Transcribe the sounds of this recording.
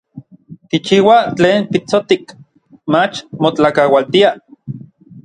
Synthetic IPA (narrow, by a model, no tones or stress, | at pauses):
kit͡ʃiːwat͡ɬeːnpit͡sot̪ik | mat͡ʃmot͡ɬakawalt̪ia